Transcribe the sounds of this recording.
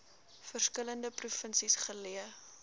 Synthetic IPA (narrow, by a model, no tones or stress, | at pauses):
fərskələndəprufənsisχəliə